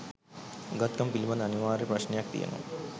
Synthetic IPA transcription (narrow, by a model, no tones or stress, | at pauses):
ɡɐt̪kɐmpilimɐnɐniʋaːɾeprɐɕnejak̚t̪ḭjḛno̰